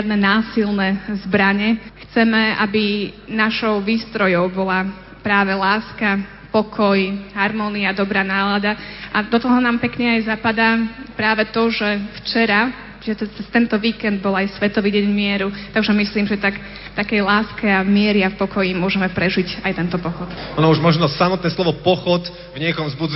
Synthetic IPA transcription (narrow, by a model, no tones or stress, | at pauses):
ad̪nɛnaːsilnɛzbɾaɲɛxt͡sɛmɛa̰binaʃɔʊʋiːst̪ɾɔjɔʊbɔla | pɾaːʋɛlaːska | pɔkʰɔjɦaɾmɔniad̪ɔbɾaːnaːlad̪aʔad̪ɔt̪ɔɦɔnaːmpɛkɲɛajzapad̪apɾaːʋɛt̪ɔʒɛft͡ʃɛɾa | t͡ʃʒɛt̪ɛd̪at͡sɛst̪ɛnt̪ɔʋiːkɛnd̪̚bɔlajsʋɛt̪ɔʋiɟɛɲmɪɛɾut̪aɡʒɛmisliːmʒɛt̪ak | t̪akɛjlaːskɛamɪɛɾɪafpɔkɔjimʊɔʒɛmɛpɾɛʒicajt̪ɛnt̪ɔpɔxɔt̪ɔnɔuʒmɔʒnɔsamɔt̪nɛslˠɔʋɔpɔxɔt̪ | vɲɪɛkɔmzbud͡z